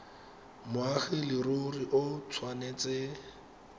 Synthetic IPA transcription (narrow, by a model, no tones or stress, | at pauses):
mʊaχɪlɪroriʔʊt͡sʰwaneːt͡sɪ